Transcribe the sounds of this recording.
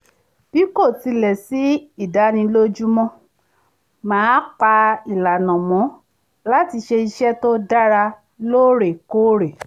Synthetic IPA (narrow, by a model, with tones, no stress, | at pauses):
b̥i˦ko˦˨ti˧lɛ˨si˨˦i˦˨da˨˦nĩ˧lo˦d͡ʒu˦mɔ̃˦ | mãː˨˦k͡pa˧i˨la˨nɔ̃˨mɔ̃˨˦ | la˦ti˧ʃe˧i˧ʃɛ˦to˦da˦ɾa˧ | lo˦ɾe˨ko˦ɾe˨